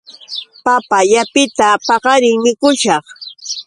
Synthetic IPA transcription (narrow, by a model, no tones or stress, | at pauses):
papajapɪt̪apɑɢɑɾɪŋmɪkʊʃɑχ